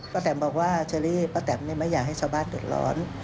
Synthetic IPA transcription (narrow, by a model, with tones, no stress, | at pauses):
pa˧˥t̪ɛː˨˩˦mbɔː˨˩k̚waː˥˩t͡ɕʰa˧liː˦˥˩pa˧˥t̪ɛː˩˦mna˧˥˩ma˥˩jaː˨˩k̚ɦa˥˩jt͡ɕʰaː˥˩baː˥˩ndɯː˨˩t̪̚lɔ̰ː˦˥n